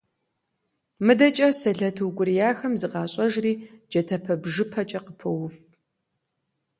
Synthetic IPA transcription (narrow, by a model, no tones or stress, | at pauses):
mɨdɐt͡ʃʼɐsɐɮɐtʰɨwɡʷʊrijaːxɐmzɨqɑːɕʼɐʒriːd͡ʒɐtʰɐpʰɐbʒɨpʰɐt͡ʃʼɐqəpʰɐwʊf